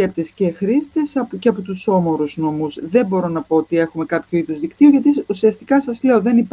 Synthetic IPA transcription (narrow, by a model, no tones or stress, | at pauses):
ep̚t̪e̞sce̞xɾist̪e̞sɐceɐpot̪uso̞mo̞ɾuzno̞muzðe̞bo̞ɾo̞nɐpo̞ot̪ie̞xume̞kɐpçoiðuzðikt̪ioʝɐt̪iusiɐst̪ikɐsɐzle̞o̞ðe̞nip